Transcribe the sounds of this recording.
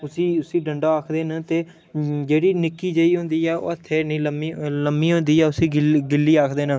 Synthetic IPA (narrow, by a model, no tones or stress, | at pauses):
ʊsĩːʊsĩːɖəɳɖaːaːkʰd̪eːnãːt̪eː | d͡ʒeːɽiːnɪkːiːd͡ʒəiːɦʊ̃nd̪iːɛːo̰ːət̪ʰːeːnĩːləmiːləmːiːɦʊ̃nd̪iːɛːʊsĩːɡɪɡɪlːiːaːkʰd̪eːnãː